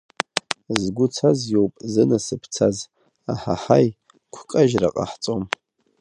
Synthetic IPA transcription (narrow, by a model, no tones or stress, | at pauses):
zɡʷʊt͡sʰazjowpʼzɨnasɨpʰt͡sʰaz | aħa̰ħaj | kʷʰkʼaʒraqʼa̰ħt͡sʼom